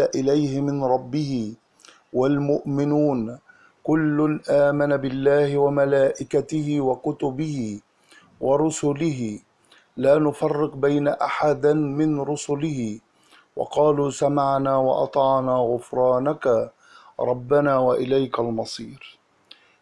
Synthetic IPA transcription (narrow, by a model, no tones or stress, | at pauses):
aʔɪlajhɪmɪnɾˤɑbːɪhɪ | walmʊʔmɪnuːn | kʊlːʊnʔaːmanabɪlːaːhɪwamalaːʔɪkat̪ɪhɪwakʊt̪ʊbɪhɪ | wɑɾˤʊsʊlɪɦɪ | laːnʊfɑrːɪqbajnaʔaħad̪amɪnɾʊsʊlɪhɪ | wɑ̰qɑːluːsamaʕnaːwɑ̰ʔɑ̰t̪ˤɑʕnaːɣʊfɾˤɑːnaka | ɾˤɑbːanaːwaʔɪlajkalmɑsˤiːɾ